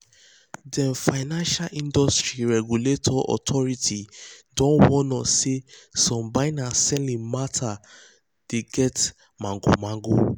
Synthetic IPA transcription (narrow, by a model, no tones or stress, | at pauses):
dɛ̃nfaɪnãnʃalʔĩndɔstɹiɹɛɡuletʰɔʔɔ̰tʰɔɹitʰidɔ̃nwɔ̃nɔsesɔ̃mbaɪnasɛlĩmatʰa | d̥eɡɛt | mãŋɡo̰mãŋɡo